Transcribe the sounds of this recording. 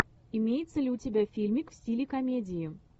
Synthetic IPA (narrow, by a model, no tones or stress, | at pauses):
ɪmʲejɪt̪səlʲɪʊtʲɪbʲæfʲilʲmʲɪkfsʲtʲilʲɪkɐmʲedʲɪɪ